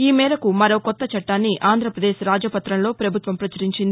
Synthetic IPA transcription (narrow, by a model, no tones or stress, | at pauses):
iːmɛːɾɐkumɐɾo̞ːkɔt̪ːɐt͡ʃɐʈːaːnːiʔaːnd̪ʱɾɐpɾɐd̪eːʃɾaːd͡ʒɐpɐt̪ːɾɐmlo̞ːpɾɐbʱut̪ʋɐmpɾɐt͡ʃɐɾiɲt͡ʃind̪i